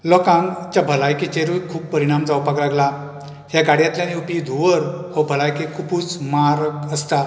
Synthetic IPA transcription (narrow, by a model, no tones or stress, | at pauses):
lɔkãŋt͡ɕabʱəlajket͡ɕeɾukʰuːpːəɾiɽ̃amd͡zawpaklaɡla | hjaɡaɽjãt̪ljaniupid̪ʱuʋəɾhɔbʱəlajkekʰupuːt͡smaɾkəst̪a